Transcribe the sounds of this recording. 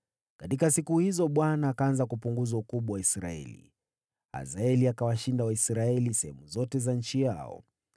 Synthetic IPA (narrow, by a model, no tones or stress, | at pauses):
katikasikuhizɔɓwanaːkaanzakupuŋɡuzaukuɓwawaisɾa̰ɛ̰lḭ | a̰zaɛliakawaʃindawaisɾaɛlisɛhɛmuzɔtɛzan̩t͡ʃija̰ɔ̰